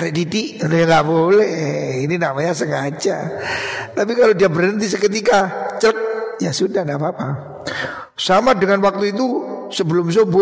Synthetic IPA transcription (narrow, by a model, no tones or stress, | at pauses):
ɾeʔdidiʔɾojaŋɡaʔbolɛhininamaɲasəŋad͡ʒa̰ | t̪ap̬ikalodiabərənt̪̬is̬əkət̪̬ikat͡ʃəɾək̚jasudahnapaːpa | samadəŋanwak̚t̪uit̪̬usəbəlʊms̬obo